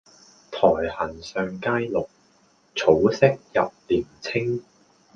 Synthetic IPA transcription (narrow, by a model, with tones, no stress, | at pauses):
t̪ʰɔː˨˩jhɐ˨˩nsœː˧ŋkaː˥jlʊ˨k̚ | t͡sʰo˨˥wsɪ˥k̚jɐ̰˨p̚liː˨˩mt͡sʰɪ˥ŋ